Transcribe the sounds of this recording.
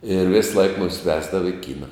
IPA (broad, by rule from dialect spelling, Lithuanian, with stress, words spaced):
ɪr ˈʋʲeːsˌlˠɐɪk ˈmʊmʲɪs ˈʋʲæːzdɐʋɐ ɪ ˈkʲiːnɐ